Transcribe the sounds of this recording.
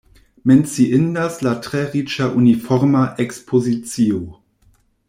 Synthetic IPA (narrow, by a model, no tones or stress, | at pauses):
mɛnt͡siʔɪndaslatʁeʁit͡ʃaʔunifɔʁmaʔekspʰozit͡sio